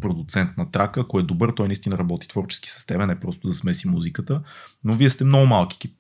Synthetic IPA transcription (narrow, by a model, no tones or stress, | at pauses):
pɾod̪ʊt̪sɛnt̪nɐt̪ɾakəːkʊɛd̪obɤɾt̪ɔjnist̪inəɾɐbɔt̪i̥t̪vɔɾt͡ʃɛ̥ski̥sə̥st̪ɛbɛnɛpɾɔst̪ʊd̪ɐsmɛsimuzikət̪ənoviɛst̪ɛmnɔɡʊmalˠki̥k̪i